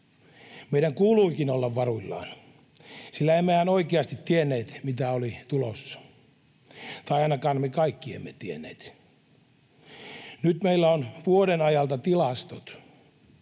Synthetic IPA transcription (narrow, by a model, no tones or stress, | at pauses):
meiɾæŋkuːluikinolːɑʋʋɑruilːɑ̰ːn | silːæemːehænoikeɑst̪it̪tienːeːt̪mit̪æolit̪ulosːɑ̥ | t̪ɑiɑinɑkɑːnmekɑikːiḛmːet̪ienːḛːt̪ | nyt̪meilːæonʋuodenɑjɑlt̪ɑt̪ilɑst̪ot̪